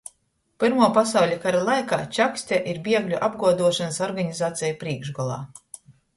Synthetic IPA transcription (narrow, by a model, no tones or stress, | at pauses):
pɨɾmuːpasawlʲakaɾalˠajka̰ːt͡ʃʲaksʲt̪ʲaʔiɾbʲiɛɡlʲuʔab̚ɡuɔd̪uɔʃanasɔɾɡaɲizaːt̪sʲɛjupɾiɛːɡʒɡɔlˠa̰ː